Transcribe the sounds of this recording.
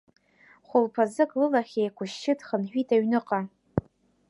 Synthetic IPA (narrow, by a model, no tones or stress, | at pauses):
χʷʊlpʰazɨkʼlɨlaχʲejkʷʰʊʃːɪtχənħᶣʷitʰaɥnɨqʼa